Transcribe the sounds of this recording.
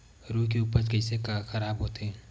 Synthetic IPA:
ɾuːkeuːpəɾkəɪsekaxəɾaːbɦoːt̪eɦɛ̃ː

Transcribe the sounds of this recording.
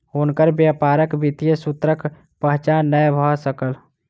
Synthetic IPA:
unkəɾbjapaɾəkbit̪ijəsut̪ɾək | pəɦt͡ʃanːəjbʱɔsəkəl

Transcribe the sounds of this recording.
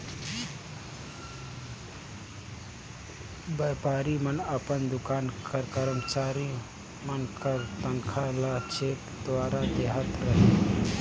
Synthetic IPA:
bəːpaːɾimənəpənd̪ʊkaːnkəɾkəɾəmt͡ʃaːɾi | mənkəɾt̪əŋkʰalat͡ʃʰeːʈ | d̪ʋaːɾad̪eːɦət̪ɾəɦe

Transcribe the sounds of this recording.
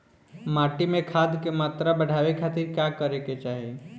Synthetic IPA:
maːʈimẽkʰad̪kemaːt̪ɾabəɽ̤ʱaːʋekʰat̪iɾkjakəɾeket͡ʃaːɦi

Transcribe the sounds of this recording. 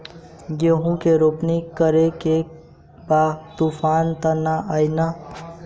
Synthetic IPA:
jeɦũkeɾopnikːəɾeke | bat̪upʰant̪ənaʔəjnə

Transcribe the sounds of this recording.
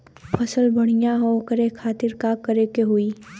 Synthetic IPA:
pʰɐsəlbɐɽ̃ijaɦokəɾekʰaːt̪ɪɾkakːəɾekeɦuiː

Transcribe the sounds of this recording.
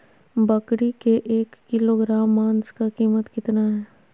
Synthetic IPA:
bɐkɽikeʔeːkːɪloɡɾaːmːaːnskakiːmət̪kɪt̪naɦɛː

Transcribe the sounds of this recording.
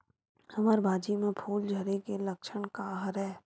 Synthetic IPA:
ɐməɾbʱaːd͡ʒimẽpʰuːld͡ʒʱəɾekelɐkʃənkaɦɾɦɛː

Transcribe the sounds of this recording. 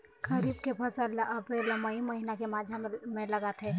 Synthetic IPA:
ɡɐɾiːbkepʰɐsəɾlɐpɾeːɾlɐmaɦimɐɦinakemaːd̪ʱjamẽlɐɡat̪ʰɛː

